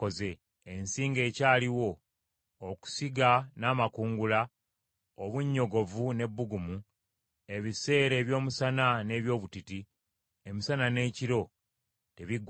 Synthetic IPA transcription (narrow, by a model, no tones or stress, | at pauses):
oze̞ː | nsiːŋɡe̞ːcaːliwo̞ː | ku̥siɡanaːmakuːŋɡula | oβuɲːo̞ɡo̞vune̞bːuɡumu | e̞βise̞ːɾe̞ːβjo̞ːmusanane̞ːβjo̞ːβutiti | emisanane̞ːciɾo̞ | te̞βiɡ